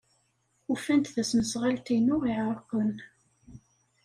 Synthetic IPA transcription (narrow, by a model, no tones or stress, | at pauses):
ufænt̪θæsməsʁalt̪inʊʁiʕəɾˤkən